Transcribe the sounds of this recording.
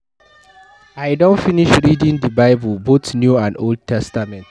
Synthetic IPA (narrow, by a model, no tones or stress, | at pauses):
ʔajdɔ̃nfɪnɪʃɾiːdɪ̃ŋdibaɪbʊlbot̪njuãndʔold̚tʰɛstamɛ̃nt